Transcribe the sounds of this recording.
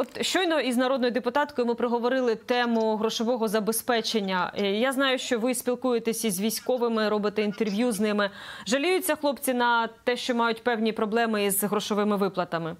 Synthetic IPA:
ɔt̪ʃt͡ʃɔjnɔiznɐɾɔd̪nɔjʊd̪epʊt̪ɑt̪kɔjʊmɪpɾeɦɔʋɔɾɪlˠɪt̪ɛmʊɦɾɔʃɔʋɔɦɔzɐbespɛt͡ʃenʲːɐjaznɑjʊʃt͡ʃɔʋɪsʲpʲilˠkujet̪esʲizʲʋʲijsʲkɔʋɪmɪɾɔbɪt̪ɛint̪erʋʲjuznɪmɪʒɐlʲujʊt͡sʲːɐxlˠɔpt͡sʲinɐt̪ɛʃt͡ʃɔmɑjʊtʲpɛwnʲipɾɔblˠɛmɪizɦɾɔʃɔʋɪmɪʋɪplˠɐt̪ɐmɪ

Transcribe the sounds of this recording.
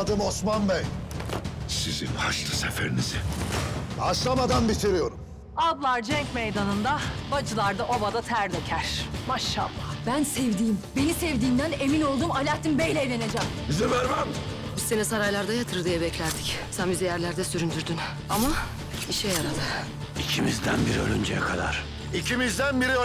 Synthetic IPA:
ad̪ɯmosmanbɛj | sizḭnhaʃlˠɯsefḛɾinizi | aʃlˠamad̪anbit̪ʰiɾijo̞ɾum | ad̪lˠaɾd͡ʒɛɲcmejd̪anɯnd̪abad͡ʒɯlˠaɾd̪aʔobad̪at̪ʰæɾlʲɛcʰæɾ̥maʃːa̰lˠːabænsɛvd̪iːmbe̞nisɛvd̪iːmd̪æne̞mino̞lˠd̪uːmalʲaːt̪ʰimbejlʲɛelʲened͡ʒɛmbizivæɾmæm | byst̪enɛsaɾajlˠaɾd̪ajat̪ʰɯɾd̪ɯjabɛclʲæɾd̪icsænbizɛjæɾlʲæɾd̪ɛsyɾynd̪yɾd̪yn | ama | iʃɛjaɾad̪ɯ | icʰimizd̪æ̰nbiɾiølʲy̰nd͡ʒɛ̰jɛ̰kʰad̪a̰ɾ̥ | icʰimizd̪ænbiɾi

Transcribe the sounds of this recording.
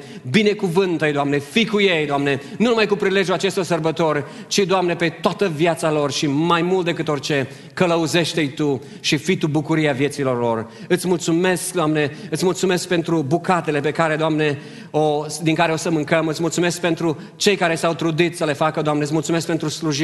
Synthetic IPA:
bine̞kuvɨnt̪əjd̪oamne̞fikuje̞jd̪oamne̞nunumajkupɾile̞d͡ʒjulat͡ʃe̞st̪orsərbət̪o̞r | t͡ʃid̪oamne̞pe̞t̪oat̪əvjat̪salo̞rʃimajmult̪̚d̪ekɨt̪o̞rʲt͡ʃe̞ | kələuze̞ʃt̪ejt̪u | ʃifit̪ubukuɾijavje̞t̪silo̞rlo̞r | ɨt̪sʲmult̪sume̞skd̪oamne̞ɨt̪sʲmult̪sume̞sk̚pe̞nt̪ɾubukat̪e̞le̞pe̞kaɾe̞d̪oamne̞ | od̪iŋkaɾeo̞səmɨŋkəmɨt̪sʲmult̪sumesk̚pe̞nt̪ɾu | t͡ʃe̞jkaɾe̞sawt̪ɾud̪it̪səle̞fakəd̪oamneɨt̪ʲmult̪sume̞skpe̞nt̪ɾusluʒi

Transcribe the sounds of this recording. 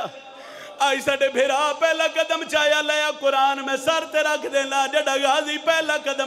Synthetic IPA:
aːiːsaːɖeːbʱeːɾaːpɛːlãːkəd̪əmt͡ʃaːjaːləjaːkʊɾaːnmɛ̃ːsəɾt̪eːɾəkʰd̪ẽːlãːd͡ʒeːɖaːɡaːziːpɛːlãːkəd̪ə

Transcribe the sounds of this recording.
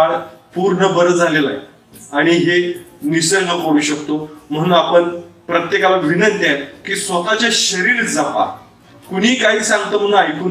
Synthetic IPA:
aɽpuɾɳəbəɾəd͡zʱalela̰je | aɽ̃iɦenisəɳəkəɽũːɕəkt̪om̤əɽ̃uːnapəɳpɾət̪jekalaʋʱinənt̪jat̪kiːsʋət̪at͡ɕjaɕəɾiːɾd͡zapa̰ | kuɽ̤iːkaɦiːsãŋɡ̚t̪əːm̤əɽ̃unajkuːn

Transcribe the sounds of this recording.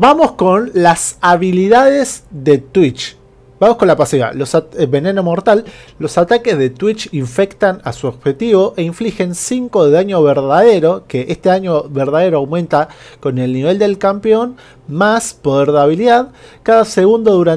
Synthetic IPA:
bamo̞sko̞nlasaβiliðaðezðe̞t̪wit͡ʃ | bamosko̞nlapasiɣa̰lo̞saβe̞ne̞no̞mo̞ɾt̪alːo̞sat̪ake̞zðe̞t̪wit͡ʃiɱfe̞kt̪anasuoβxet̪iβo̞ʔeiɱflixe̞nsiŋko̞ðeðaɲo̞βeɾðaðe̞ɾo̞keʔest̪eaɲjoβeɾðaðe̞ɾoawmẽ̞nt̪ako̞ne̞lniβe̞ld̪e̞lkampeo̞n | maspoðeɾðaβiliðaðkaðaseɣund̪oðuɾa

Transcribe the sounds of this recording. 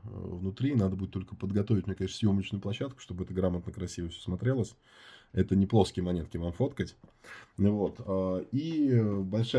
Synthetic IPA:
vnʊt̪ɾʲinad̪əbudʲɪt̪ːo̞lʲkəpəd̪ɡɐt̪ovɪtʲmʲnʲekɐneʂnsʲjo̞mət͡ɕnʊjʊplˠɐɕːat̪̚kʊ̥ʂt̪o̞bəɛt̪əɡɾamət̪nəkɾɐsʲivəfsʲo̥smɐt̪ɾʲelˠəsʲ | ɛt̪ənʲɪplˠo̞skʲɪjəmɐnʲe̞t̪̚kʲɪvamfo̞t̪kətʲ | vo̞t̪aibɐlʲʂa

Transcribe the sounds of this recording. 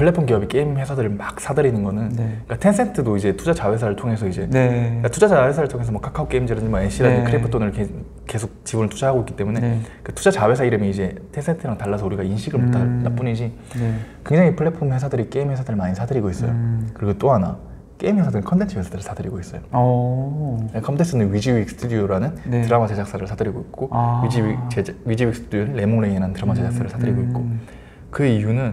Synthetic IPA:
pʰɯɭːe̞pʰonkiʌbik͈eimhe̞sʰadɯɭmak̚s͈adɯɾinɯnɡʌnɯnik͈atʰe̞nsʰe̞ntʰɯdoid͡ʑe̞tʰud͡ʑat͡ɕawe̞s̬ʰaɾɯɭtʰoŋɦe̞sʰʌid͡ʑe̞katʰud͡ʑad͡ʑawesʰaɾɯɭtʰoŋesʰʌmoʌkʰakʰaok͈eimd͡ʑeɾdɯɲd͡ʑimʌeɕ͈ʰiɾadɯkʰɯɾepʰɯtʰonɯɭke | ke̞sʰok̚t͡ɕibunɯɭtʰud͡ʑaɦaɡoik͈i̥t͈emune̞kɯtʰud͡ʑat͡ɕawe̞sʰaiɾɯmjiid͡ʑe̞tʰensʰentʰɯɾaŋtaɭːasʰʌuɾiɡainɕʰiɡɯɭmotʰanap͈uɲid͡ʑʰi | kwe̞ŋd͡ʑaŋipʰɯɭːepʰumhe̞sʰadɯɾik͈eimhe̞s̬ʰadɯɾɭmaɲisʰadɯɾiɡois͈ʌjo̰kɯɾiɡot͈oɦana̰ | k͈eimhe̞sʰadɯɾɯnkʰʌntʰe̞nt͡ɕʰhesʰadɯɾɯɭsʰadɯɾiɡois͈ʌjo | nekʰʌntʰensʰɯnɯnɥid͡ʑiwik̚s͈ʰɯ̥tʰudioɾanɯntɯɾamat͡ɕe̞d͡ʑak̚s͈aɾɯɭsʰadɯɾiɡoik̚k͈oid͡ʑit͡ɕeɥid͡ʑiɥik̚s͈ʰɯ̥tʰudijonɯːemoŋɭeiiɾanɯntɯɾamat͡ɕed͡ʑaks͈aɾɯɭsʰadɯɾiɡoit̚k͈o | kɯijunɯn

